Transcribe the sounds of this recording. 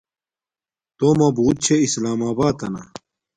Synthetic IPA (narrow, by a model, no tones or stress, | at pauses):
t̪omɐbuːt̪̚t͡ɕʰeislaːmaːbaːt̪ɐna̰